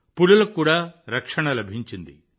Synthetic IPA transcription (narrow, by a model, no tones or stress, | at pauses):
puɭulɐkːuːɽaːɾɐkʂɐɳɐlɐbʱiɲt͡ʃind̪ḭ